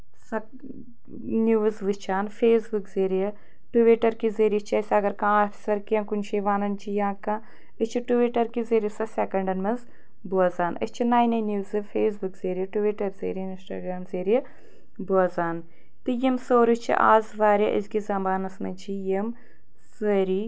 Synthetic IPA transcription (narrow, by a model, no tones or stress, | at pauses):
sɐ | njuːzʋɨt͡ʃʰaːnfʰeːsbukzeːɾijɐ | ʈuʋiʈɐɾkizeːɾijit͡ʃʰɐsʲɐɡɐɾkãaːʈʰi̥sʋɐɾkiɐnkunʃeʋaːnɐnt͡ʃʰijãːkã | ɨt͡ʃʰiʈuʋiʈɐɾkizeɾjɐsɐsʲɛːkɐɳɖɐnmɐz | buɐzaːnɐ̰t͡ʃʰinaːjnɐnjuːzɨfʰeːs̬bukzeːɾijɐʈuʋiʈɐɾzḛːɾnɪnsʈa̰ːɡɾaːmzeːɾijɐ | buɐzaːn | t̪ɨjimsoːɾɨt͡ʃʰḭʔa̰ːzʋaːɾʲjɐʔḭzkizɐmaːnɐsmɐt͡ʃʰijɐm | seɾiː